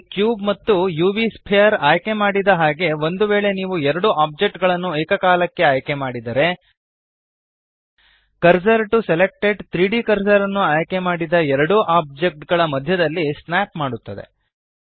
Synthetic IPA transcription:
kjuːbmɐt̪ːujuːʋispʰejɐɾaːjke̞maːɽid̪ɐɦaːɡe̞ʋo̞nd̪uʋeːɭe̞niːʋuɛɾɐɽuʔaːp̚d͡ʒek̚ʈɡɐɭɐnːueːkɐkaːlɐkːe̞aːjke̞maːɽid̪ɐɾe̞ | kɐɾsɐɾʈuselek̚ʈe̞ɖt̪ɾiːɖikɐɾsɐɾɐnːuaːjke̞maːɽid̪ɐɛɾɐɽuʔaːp̚d͡ʒek̚ʈɡɐɭɐmɐd̪ʱjɐd̪ɐlːisnaːp̚maːɽut̪ːɐd̪e̞̰

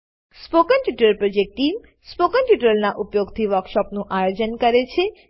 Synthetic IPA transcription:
spokənʈ̪juʈəɾpɾod͡ʒek̚ʈːim | spokənʈjuʈəlnaʔupjoɡt̪ʰiʋəɾkʃɔpnũʔajod͡ʒənkəɾet͡ʃʰe

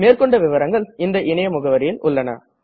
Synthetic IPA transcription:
meːɾkɔɳɖɐʋɪʋɐɾɐŋɡɐɭɪnd̪ɐʔɪnɐjɐmʊɣɐʋɐɾɪjɪlʔʊɭːɐnɐ̰

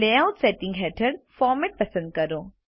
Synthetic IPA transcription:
leaʊt̪seʈĩŋɡɦɛːʈʰəɽfɔːɾmeʈ̚pəsə̃nd̪̚kəɾoː

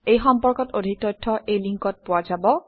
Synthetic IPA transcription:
ejxɔmpɔɹkɔtodʱik̚tɔjtʰːɔʔejliŋkɔt̚pʊwazabɔ

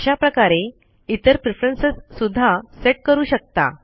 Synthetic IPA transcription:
ɕapɾəkaɾe | it̪əɾpɾifɾənsəsːud̪ʱːaseʈ̚kəɾuːɕək̚t̪a̰

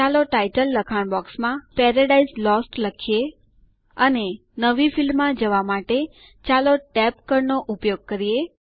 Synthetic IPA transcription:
aloʈajʈəlːəkʰaɳbɔksmãpɛɾəɖaislɔsʈləkʰije | əne | nəʋifilmːãd͡ʒəʋamaʈe | t͡ʃaloʈɛpkəɾnoʔupjoɡ̚kəɾije

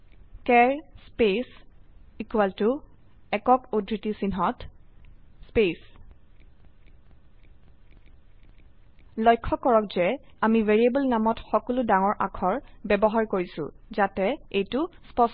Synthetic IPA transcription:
kɛɹspesikuwaltʊ | ɛkɔkodɹitisinɦɔt | spes | lɔjkʰːɔkɔɹɔkzɛamiveɹiebulnamɔtxɔkɔludaŋɔɹʔa̰kʰɔɹbɛbɔɦaɹkoɹisʊ̰̃zatɛejtʊspɔs

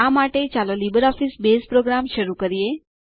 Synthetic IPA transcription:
amaʈet͡ʃalolibəɾɔfisbespɾoɡɾamʃəɾukəɾie

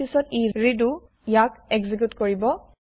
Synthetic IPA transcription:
isɔtiɹidu | ijakɛɡzik̬jutkoɹibɔ

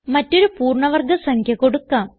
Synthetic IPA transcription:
mɐtːo̞ɾupuːrɳɐʋɐrɡɐsɐŋkʰjɐko̞ɽukːaːm

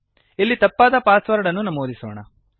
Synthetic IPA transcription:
ilːit̪ɐpːaːd̪ɐpaːsʋɐɾɐɽɐnːunɐmoːd̪isoːɳɐ̰

